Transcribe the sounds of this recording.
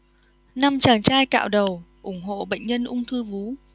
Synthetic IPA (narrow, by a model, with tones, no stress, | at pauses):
na˧mt͡ɕaː˨˩nt͡ɕaː˧jka̰ː˧˨wɗə˨˩wʔʊ˧˩ŋ͡mɦo̰˧˨ɓə̰˧˨j̟ɲə˧nʔʊ˧ŋ͡mt̪ʰɨ˧vu˨˦